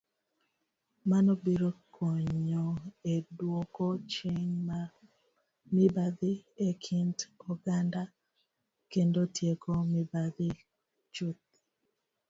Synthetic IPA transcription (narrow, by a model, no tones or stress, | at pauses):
manɔbiɾokʰɔɲɲɲoedwokɔt͡ʃeɲma | mibad̪ɪekʰintɔɡanda | kendotjekomibad̪ɪ | t͡ʃut̪̚